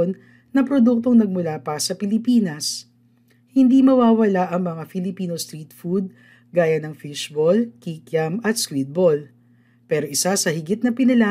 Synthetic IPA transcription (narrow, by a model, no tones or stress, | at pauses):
n | nɐpɾod̪uk̚t̪o̞ŋnɐɡ̚mʊlapɐsɐpɪlɪpiːnɐs | hɪnd̪imɐwaːwɐlaʔɐŋmɐŋafɪlɪpiːnost̪ɾit̪fud̪̚ | ɡaːjɐnɐŋfɪʃbolkikjɐmɐt̪skwit̪̚bol | pɛːɾoʔɪsasɐhɪɡɪt̪̚nɐpɪnɐla